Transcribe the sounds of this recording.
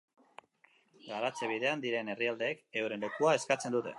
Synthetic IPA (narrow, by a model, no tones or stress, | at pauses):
ɡaɾat͡se̞β̞ið̞e̞and̪iɾe̞ne̞riald̪e̞ːke̞wɾe̞nle̞kuae̞skat͡se̞nd̪ut̪e̞̰